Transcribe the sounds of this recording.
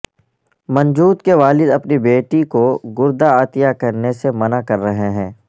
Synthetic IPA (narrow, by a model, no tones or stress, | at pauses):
mɐ̃nd͡ʒuːt̪keʋaːlɪd̪ɐpnibeːʈikoɡʊɾd̪aaːt̪ijakɐɾnesemɐnakɐɾːɐɦeɦɛ̃ː